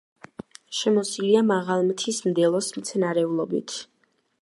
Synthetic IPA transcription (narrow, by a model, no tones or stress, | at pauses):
ʃɛmɔsiliamaʁalˠmt̪ʰismd̪ɛlˠɔsmt̪sʰɛnaɾɛulˠɔbḭt̪ʰ